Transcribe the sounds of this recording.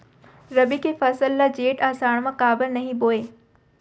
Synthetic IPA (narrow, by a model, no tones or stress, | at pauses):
ɾɐbikʰefɐsəlːad͡ʑeːʈaːsaːɽ̃mãkaːbəɾnɐɦĩboːeː